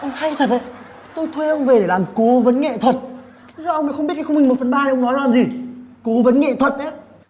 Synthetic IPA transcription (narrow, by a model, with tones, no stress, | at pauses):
ʔə˧wŋ͡mha˧jt̪ʰə˨˩t̚ʔə̰˧˨j | t̪o˧jt̪ʰwe˧ʔə˧wŋ͡mve˨˩ɗe˧˩laː˨˩mko˨˦və˨˦nŋɛ̰˧˨t̪ʰwə˨˩t̪̚ʰ | zɔː˧ʔə˧wŋ͡mmə̰˧˥xŋ͡mɓi˦˥t̚kːa˨˦xŋ͡mmi˨˩ŋ̟mo˨˩t̚fə˨˩nɓaː˧e˨ʔə˧ŋ͡mnɔ˨˦jlaː˨˩mzi˨˩ko˨˦və˨˦nŋɛ̰˧˨t̪ʰwə˨˩t̚ʔə˨˦